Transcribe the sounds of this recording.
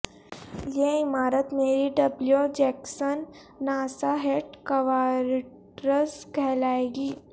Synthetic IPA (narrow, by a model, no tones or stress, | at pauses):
jeɪmaːɾət̪meːɾiɖɐbljod͡ʒɛːksənː | aːsaɦeːʈkɐʋaːɾʈ | ɾəskʰɛːlaːeːɡiː